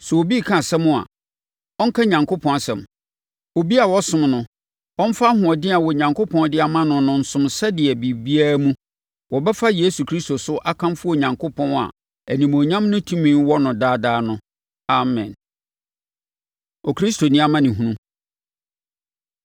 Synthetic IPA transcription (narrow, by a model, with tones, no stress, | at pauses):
sɛ˨wo˨bi˦˨kʰã˦˨sɛ̃˦mʊ̃˦a̰˨ | ɔ˦ŋ̩˦kʰa˦ɲã˨ŋkʰo˦pʰɔ̃˦n˨sɛ̰̃˨m | o˨bi˦a˨wɔ˦sʊ̃˦mnʊ̃˨ | ɔ̃˦m̩˦fa˦hʊ̃˨ɔ˨dɪ˦a˨wɔ˨ɲã˨ŋkʰo˦pʰɔ̃˦ndɪ˦a˨mã˦nʊ̃˦nʊ̃˨n̩˨sʊ̃˨msɛ˦dɪ˨ɛ˨bi˨bi˦a˦mũ˦ | wɔ˨bɛ˦fa˦je˦su˨kʰɾi˦sto˨sʊ˦ʔa˦kʰã˦mfʊ˦ɔ˨ɲã˨ŋkʰo˦pʰɔ̃˦na̰˨ | æ˨nĩ˨mo˨ɲã˦mnʊ̃˦tʰũ˦mĩ˦nwɔ˦nʊ̃˨daː˦daː˦nʊ̃˦ | a˨mɛ̰̃˨n | ɔ˨kʰɾi˦stʰo˨nĩ˦a˦mã˦nɪ̃˨ɦũ˨nũ˦